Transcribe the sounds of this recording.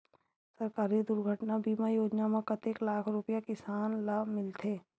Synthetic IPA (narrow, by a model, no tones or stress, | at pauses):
sɐɾkaːɾid̪ʊɾɡʱəʈnabiːmajoːd͡ʒnamãkɐt̪eklaːkʰɾʊpjakɪsaːnlamɪlt̪ʰeː